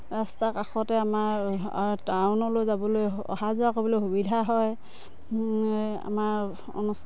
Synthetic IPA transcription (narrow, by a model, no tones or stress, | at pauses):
ɹastakaxɔtɛamaɹtawnɔlojzabɔloj | ɔ̰hazʊakobɔlojɦubidʱaɦɔj | a̰maɹ | ɔ̰nus